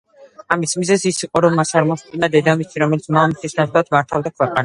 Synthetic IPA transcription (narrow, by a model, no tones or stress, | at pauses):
amismizɛsisiqʼɔɾɔmasaɾmɔst̪ʼinad̪ɛd̪amit̪ʰiɾɔmɛlit̪sʰmamit̪ʰisnaχlˠat̪ʰmaɾt̪ʰavd̪akʰwɛqʼana